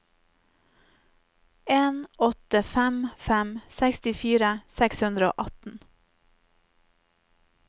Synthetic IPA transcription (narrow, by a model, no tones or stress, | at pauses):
eːnʔɔt̪əfæmfæmsækst̪ɪfiːɾəsɛkshʉnd̪ɾəo̰ːʔɑt̪n̩